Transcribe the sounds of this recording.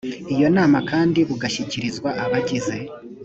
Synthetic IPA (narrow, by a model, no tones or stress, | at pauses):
ijo̞naːmakʰaːndiβuɡaʃiciɾizɡwaʔaβaɟize̞